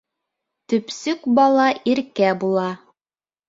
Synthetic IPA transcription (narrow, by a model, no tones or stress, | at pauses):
t̪ɵ̆psɵkbɑlˠɑʔiɾkæbulˠɑ